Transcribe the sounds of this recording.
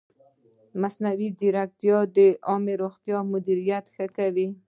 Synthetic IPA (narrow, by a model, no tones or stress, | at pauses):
masnawid͡ʒiɾak̚t̪jɑd̪əʔɑmeɾoxt̪jɑmʊd̪iɾijat̪xəkawi